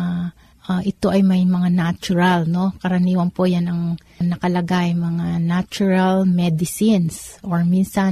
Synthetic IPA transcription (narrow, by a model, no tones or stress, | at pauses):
ʔaʔɪt̪o̞ʔɐjmɐjmɐŋanat͡ʃʊɾalno̞kɐɾɐniːwɐnpojanɐŋ | nɐkɐlɐɡaʔɐjmɐŋanat͡ʃʊɹɐlmɛd̪ɪsinsʔoɹminsɐ